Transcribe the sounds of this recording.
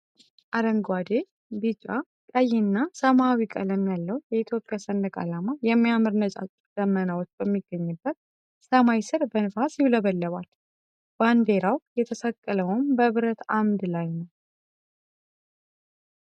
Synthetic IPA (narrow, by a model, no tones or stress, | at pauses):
ʔaɾəŋɡwad̪e̞ | bɨt͡ʃʼːa̰ | kʼəjɛnːasəmawikʼə̰ləmjalːəwjɛit̪ʰjo̞pʼjasənd̪əkʼa̰lamajɛmːijamɨɾnət͡ʃʼa̰t͡ʃʼd̪̥əmːənawot͡ʃːbəmːiɡːəɲːɨbːət̪̚ | səmajsɨɾbənɨfasjɪβləβəlːəβal | b̥and̪e̞ɾawjɛt̪ʰəsəkʼːələwʊmbəβɨɾət̪amd̪lajnəw